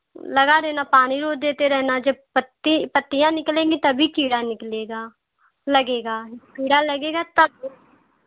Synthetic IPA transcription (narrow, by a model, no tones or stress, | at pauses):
ləɡaːɾɛːnaːpaːniːɾoːd̪eːt̪eːɾɛːnaːd͡ʒepət̪ipət̪ːijãːnɪklẽːɡiːt̪əbʱiːkiːɽaːnɪkleːɡaː | ləɡeːɡaːkiːɽaːləɡeːɡaːt̪əb̚ʱiː